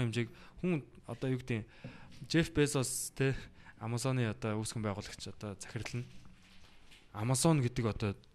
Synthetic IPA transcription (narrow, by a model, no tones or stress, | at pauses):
ŋʊmt͡ɕiːkxuŋɔ̰t̪ɔːjʊkt̪iːŋ | t͡ɕefpesɔst̪ʰeamasɔniːɔt̪ɔːusxɘ̆mpæːʁʊːɮə̆kt͡ɕʰɔt̪ɔːt͡sæ̥xʲɪ̆rɮɘ̆n | amasɔnɡet̪ɘ̆kɔt̪ɔː